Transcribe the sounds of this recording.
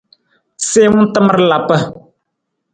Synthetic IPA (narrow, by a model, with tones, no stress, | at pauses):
seː˦mʊ˦tɨ˦mə˦ɾla˨pə˦